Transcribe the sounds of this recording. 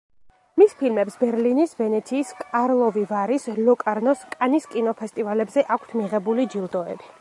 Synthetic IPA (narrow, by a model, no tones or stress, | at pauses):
mispʰilmɛpsbɛɾlinisvɛnɛt̪sʰiːskʼaɾlˠɔvivaɾislɔkʼaɾnɔskʼaniskʼinɔpʰɛst̪ʼivalɛbzɛʔakʷʰt̪ʰmiʁɛbulid͡ʒilˠd̪ɔɛ̰bi